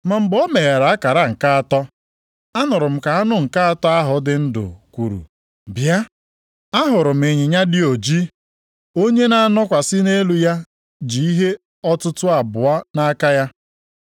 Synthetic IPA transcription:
ma˨m̩˨bɔ˦me˨ɣa˨ɾa˨a˦ka˨ɾa˦ŋ̩˨ka˦a˨tɔ˦ | a˦nʊ˨ɾʊ˨m̩˨ka˨a˦nʊ˦ŋ̩˨ka˦a˦tɔ˦a˦ɦʊ˨dɪ˨n̩˦dʊ̰˨kʷu˨ɾṵ˨ | bja˦ | a˦ɦʊ˨ɾʊ˨m̩˨e˨ɲɪ˨ɲa˦dɪ˦o˨d͡ʒi˦ | o˦ɲe˦na˨a˦˨nɔ˦kʷa˨sɪ˦ne˦lu˨ja˦ | d͡ʒi˨i˦ɦe˦ | ɔ˦tʊ˦tʊ˦a˨bʊ˨a˦na˦ka˦ja˦

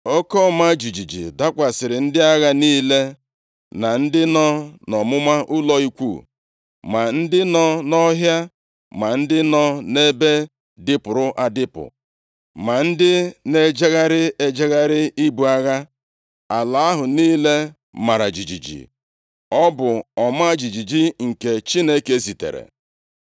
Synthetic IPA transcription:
o˦kɔ˦˨ma˦d͡ʒi˨d͡ʒi˨d͡ʒḭ˨da˦kʷa˨sɪ˨ɾɪ˨n̩˦dɪ˦a˦ɣa˦niː˦le˦ | na˨n̩˦dɪ˦nɔ˦nɔ˨mʊ˦ma˦ʔʊ˦lɔ˦i˦kʷṵ˦˨ | ma˨n̩˦dɪ˦nɔ˦nɔ˦ɦja˦ | ma˨n̩˦dɪ˦nɔ˦ne˦be˦ | dɪ˦pʊ˨ɾʊ˦ʔa˨dɪ˦pʊ̰˨ | ma˨n̩˦dɪ˦ne˦d͡ʒe˦ɣa˦ɾɪ˦e˦d͡ʒe˦ɣa˦ɾɪ˦ʔi˦bu˨a˦ɣa˦ | a˨la˨a˦ɦʊ˨niː˦le˦ | ma˨ɾa˨d͡ʒi˨d͡ʒi˨d͡ʒḭ˨ | ɔ˦bʊ˨ɔ˨m˦a˦a˦d͡ʒi˨d͡ʒi˨d͡ʒi˦ŋ̩˨ke˨t͡ʃi˦ne˦ke˦zi˨tḛ˨ɾḛ˨

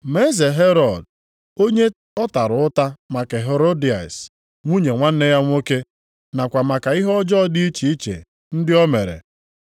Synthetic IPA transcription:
me˦ze˨ɦe˦ɾɔ˨d̚ | o˦ɲe˦ | ɔ˦ta˨ɾʊ˨ʊ˦ta˦ma˨ke˨ɦe˨ɾo˦di˨a̰˨s | ŋʷu˦ɲe˨ŋʷa˦n̩˦e˦ja˦ŋʷo˦ke˦ | na˨kʷa˨ma˨ka˨ɪ˦ɦɔ˦d͡ʒɔ˦di˦i˦t͡ʃi˨i˦t͡ʃḛ˨ | n̩˦dɪ˦ɔ˦me˨ɾḛ˨

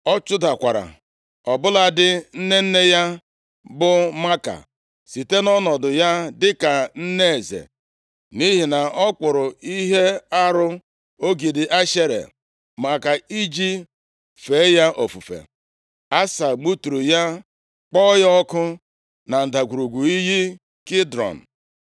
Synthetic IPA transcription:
ɔ˦t͡ʃʊ˦da˨kʷa˨ɾa̰˨ | ɔ˨bʊ˦la˨dɪ˦n̩˦ne˦n̩˦ne˦ja˦ | bʊ˦ma˦ka̰˨ | si˨te˦nɔ˦nɔ˨dʊ˨ja˦dɪ˦ka˨n̩˦ne˦e˨zḛ˨ | ni˦ɦi˨na˨ɔ˦k͡pʊ˨ɾʊ˨i˦ɦe˦a˦ɾʊ˦ | o˦ɡi˨dɪ˨ʔa˦ʃe˦ɾḛ˨ | ma˨ka˨i˦d͡ʒi˦ | fe˨˦ja˦ʔo˨fu˨fḛ˨ | a˦sa˨ɡ͡bu˦tu˨ɾu˨ja˦ | k͡pɔ˦jɔ˦kʊ˦ | na˨n̩˨da˨ɡʷu˨ɾu˨ɡʷu˨i˦ɦi˦ | kɪ˦dɾɔ̰˨n̩˨

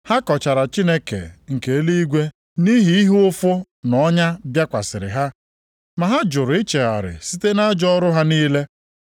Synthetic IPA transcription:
ha˦kɔ˨t͡ʃa˨ɾa˨t͡ʃi˦ne˦kḛ˨ŋ̩˨ke˨˦li˦i˦ɡʷe˦ | ni˦ɦi˦i˦ɦʊ˦ʊ˦fʊ˦ | nɔ˦ɲa˦bja˦kʷa̰˨sɪ˨ɾɪ̰˨ɦa˦ | ma˨ɦa˦d͡ʒʊ˨ɾʊ˨ɪ˦t͡ʃe˨a̰˨ɾɪ̰˨si˦te˦na˦d͡ʒɔ˦ɾʊ˦ɦa˦niː˦le˦

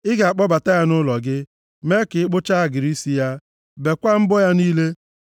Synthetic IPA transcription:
ɪ˦ɡa˨k͡pɔ˦ba˨ta˦ja˦nʊ˦lɔ˨ɡɪ˦ | me˦kɪ˨ɪ˦k͡pʊ˦t͡ʃa˦a˨ɡɪ˨ɾi˦si˦ja˦ | be˨kʷa˦m̩˦bɔ˦ja˦niː˦le˦

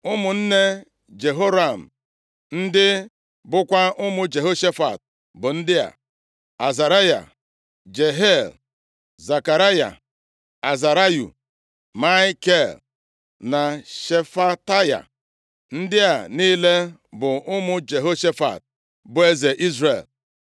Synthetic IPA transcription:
ʊ˦mʊ˨n̩˦ne˦ | d͡ʒe˨ɦo˦ɾa˨m̩˨ | n̩˦dɪ˦ | bʊ˦kʷa˦ʔʊ˦mʊ˦d͡ʒe˨ɦo˦ʃe˦fa̰˨t̚ | bʊ˨n̩˦dɪ˦a̰˨ | a˨za˨ɾa˦ja̰˨ | d͡ʒe˨ɦe˦l | za˨ka˨ɾa˦ja̰˨ | a˨za˨ɾa˦jṵ˨ | ma˦ke˦˨l | na˨ʃe˨fa˦ta˦ja̰˨ | n̩˦dɪ˦a˨niː˦le˦bʊ˨ʊ˦mʊ˦d͡ʒe˨ɦo˦ʃe˦fa̰˨t̚ | bʊ˨e˦ze˨ʔi˦zɾḛ˨l

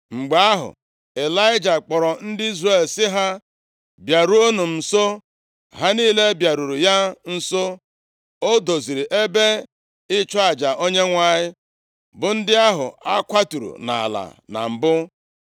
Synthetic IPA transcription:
ŋ͡m̩˨ɡ͡ba˨a˦ɦʊ̰˨ | e˨la˦ɪ˦d͡ʒa˨k͡pɔ˨ɾɔ˨n̩˦dɪ˦i˦zre˦˨˦lsɪ˦ɦa˦ | bja˨ɾu˦o˦nu˨m̩˨so˦ | ɦa˦niː˦le˦bja˨ɾu˨ɾu˨ja˦n̩˦so˦ | o˦do˨zi˨ɾi˨ʔe˦be˦ | ɪ˦t͡ʃɔ˦a˨d͡ʒa˨ʔo˦ɲe˦ŋʷa˨ɲɪ˦ | bʊ˨n̩˦dɪ˦a˦ɦʊ̰˨a˦kʷa˦tu˨ɾṵ˨na̰˨a̰˨la̰˨na̰˨m̩˨bʊ˦

